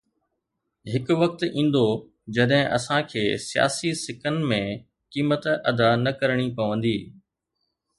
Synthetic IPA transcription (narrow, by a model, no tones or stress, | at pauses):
ɦɪkʊʋɐk̚t̪ĩːn̆d̪o | d͡ʑɐɗɦɪ̃ʔɐ̰sãkʰeːsija̰ːsisɪkənɪ̆mẽ | kiːmət̪ɐd̪anɐkɐɾɽ̃ipɐʋə̃nd̪iː